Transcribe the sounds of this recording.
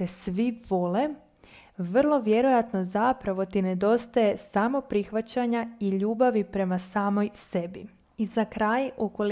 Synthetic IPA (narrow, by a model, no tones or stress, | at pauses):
esʋiʋo̞le̞ | ʋr̩lˠo̞ʋje̞ɾo̞jat̪no̞zapɾaʋo̞t̪ined̪o̞st̪aje̞samo̞pɾixʋat͡ɕaɲaiʎuːbaʋipɾe̞masaːmo̞jse̞bḭ | izakɾaːjʔukol